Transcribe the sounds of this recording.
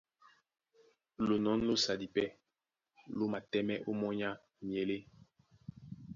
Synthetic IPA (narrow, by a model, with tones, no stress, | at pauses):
lo˨nɔ˨˦n˦lo˦sa˨di˨pɛ˦ | lo˦ma˨tɛ˦mɛ˦ʔo˦mɔ˦ɲa˦ | mje˨le˦